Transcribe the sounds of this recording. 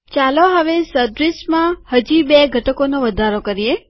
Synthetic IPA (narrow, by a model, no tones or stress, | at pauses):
t͡ʃaloɦəʋesəd̪ɾismãhəd͡ʒibeɡʱəʈəkonoʋəd̪ʱaɾokəɾie